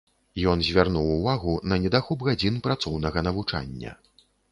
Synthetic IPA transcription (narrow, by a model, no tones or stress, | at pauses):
jɔnzʲvʲarnuwːvaɣunɐnʲɛd̪axubɣad͡zʲinpɾat̪sɔwnɐɣɐnɐvut͡ʂa̰nʲːɐ̰